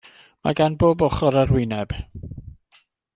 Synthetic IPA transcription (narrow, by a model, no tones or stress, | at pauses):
ma̰ɡanboːbɔχɔɾərwɪnɛb̥